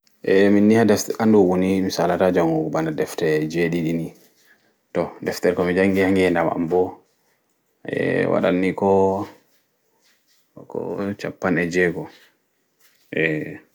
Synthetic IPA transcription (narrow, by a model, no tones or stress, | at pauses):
ʔɛminːihadɛfʔanduɓunimisalatad͡ʒaŋɡuɡɔbanadɛftɛd͡ʒeɗiɗini | tɔdɛftɛɾkɔmid͡ʒaŋɡihaŋɡhɛndama̰mbɔ | ɛ̰wa̰ɗa̰nːikɔ | kɔ̰t͡ʃapːanɛd͡ʒɛɡɔ | ʔɛ